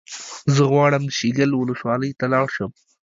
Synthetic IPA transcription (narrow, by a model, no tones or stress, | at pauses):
zəɣwɑɽəmʃiɡəlwʊləswɑləjt̪alɑɽʃəm